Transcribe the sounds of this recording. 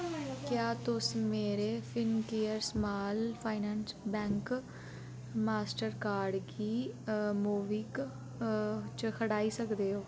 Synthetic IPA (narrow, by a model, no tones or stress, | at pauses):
kjaːt̪ʊsmeːɾeːpʰɪnkeːəɾsmaːlpʰaːɪnɛːnsbɛ̃ːŋk | maːsʈəɾkaːɾɖɡiːmuːʋiːk | t͡ʃkʰəɽaːiːsəkd̪eːɦoː